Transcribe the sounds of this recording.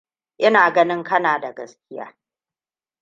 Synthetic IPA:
ʔɪ˦naː˨ɡɐ˦nɪ˦ŋkɐ˦naː˨da˨ɡɐ˦skʲɪ˦ja̰ː˦

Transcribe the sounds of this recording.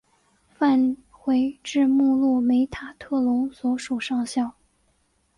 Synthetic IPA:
fa˥˧nxwe˧˥ɪʈ͡ʂɻ̩˥˧mu˥˧lu˥˩me˧˥ɪt̪ʰa˨˩t̪ʰɤ˥˩lʊ˧˥ŋswɔ˧˥ʂu˨˩ʂɑ˥˧ŋɕjɑ˥˩ʊ

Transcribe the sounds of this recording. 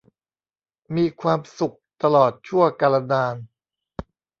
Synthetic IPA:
miː˧kʰwaː˧msu˨˩k̚t̪a˧lɔː˨˩t̪̚t͡ɕʰu˥˩əka˧la˧naː˧n

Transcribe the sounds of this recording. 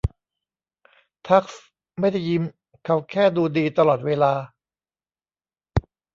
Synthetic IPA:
t̪ʰa˦˥k̚s | ma˥˩jda˥˩jːi˧˥m | kʰa˨˦˩wkʰɛː˥˩duː˧diː˧t̪a˧lɔː˨˩t̪̚weː˧laː˧

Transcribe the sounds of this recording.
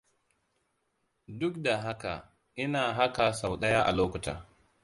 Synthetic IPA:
dʊ˦kda˨ɦa˦ka̰˨ | ʔɪ˦naː˨ɦa˦ka˨sa˨wɗɐ˦jaː˦ʔa̰˨loː˦kʊ˨ta̰ː˨

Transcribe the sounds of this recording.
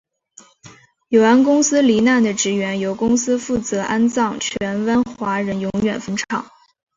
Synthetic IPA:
jo˨˩ʊa˥nkʊ˥ŋsɹ̩˥li˧˥na˥˩nd̪ə˩ʈ͡ʂɻ̩˧˥ɥɛ˧˥njo˧˥ʊkʊ˥ŋsɹ̩˥fu˥˩t͡sɤ˧˥ʔa˥nt͡sɑ˥˩ŋt͡ɕʰɥɛ˧˥nwə˥nxwa˧˥ɻə˧˥njʊ˧˥ŋɥɛ˨˩nfə˧˥nʈ͡ʂʰɑ̰˨˩˦ŋ

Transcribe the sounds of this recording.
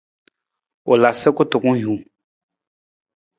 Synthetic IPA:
o˨la˨sɛ˦ko˦t̪o˨kũ˦jũ˨

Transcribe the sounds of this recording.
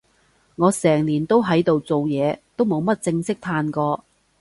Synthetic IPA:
ŋɔː˨˧sɛː˨˩ŋliː˨˩nt̪o˥wɦɐ˨˥jt̪o˨wt͡so˨wjɛː˨˧t̪o˥wmo˨˧wmɐ˥t̚t͡sɪ˧ŋsɪ˥k̚t̪ʰaː˧nkɔː˧

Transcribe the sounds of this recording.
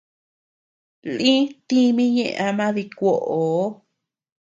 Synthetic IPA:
lĩ˦t̪i˦mĩ˦˧ɲḛ̃˧ʔa˧mã˦ði˧kʷo˧ʔo˨˦

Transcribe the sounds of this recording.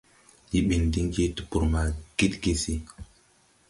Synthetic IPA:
ji˦ɓi˨ndi˦ŋɡi˦tu̥˨pu˨ɾma˨ɡ̥i˦tɡi˦si˦

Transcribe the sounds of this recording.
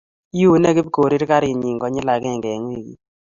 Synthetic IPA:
i˦u˦nɛ˦ɡɪ˦bko˨ɾi˦ɾka˦ɾi˨ɲi˨ŋɡɔ˨˦ɲɪ˦la˨ɡɛ˦˨ŋɡɛ˨ŋ˦e˦˨ɡḭ˦

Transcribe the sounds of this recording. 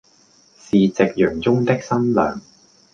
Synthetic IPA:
siː˨t͡sɪ˨k̚jœː˨˩ŋt͡sʊ˥ŋt̪ɪ˥k̚sɐ˥nlœ̰ː˨˩ŋ

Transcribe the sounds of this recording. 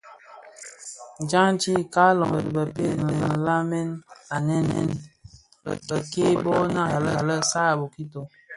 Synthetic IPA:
d͡ʒa˦ŋ˦t͡ʃi˦ka˦lɔ˨ŋə˨di˨bə˨pe˦˨nə˨ə˨la˦mɛ˦na˨nɛ˦nɛ̰˦n̰˨ | bə˨ke˦bɔ˦na˦˨a˨lə˦˨lə˦sa˦˨bo˨ki˦to˨

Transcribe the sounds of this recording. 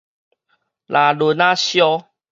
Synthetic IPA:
la˨lu˧˩nã˦ɕjɔ˦

